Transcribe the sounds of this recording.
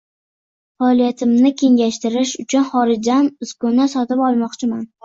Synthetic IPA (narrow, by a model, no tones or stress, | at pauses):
faːlˠijat̪ʰɪmnɪkʲʰe̞ŋɡʲaʃt̪ɪɾɪʃʊt͡ʃʰʊnχɒɾɪd͡ʒanɪskʊnasɒt̪ɪpɒlˠmɒqt͡ʃʰɪman